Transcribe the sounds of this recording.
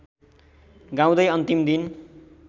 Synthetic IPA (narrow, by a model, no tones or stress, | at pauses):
ɡãw̃d̪ʌjʌnt̪imd̪in